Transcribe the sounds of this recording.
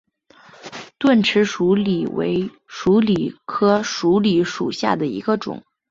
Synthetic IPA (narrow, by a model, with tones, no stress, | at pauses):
t̪wa˥˩nʈ͡ʂʰɻ̩˧˥ʂu˧˥li˨˩wḛ˧˥ɪ | ʂu˧˥li˨˩kʰɤ˥ʂu˧˥li˧˥ʂu˨˩ɕja̰˥˩d̪ə˩ḭ˧˥ɡə˧ʈ͡ʂʊ̰˨˩˦ŋ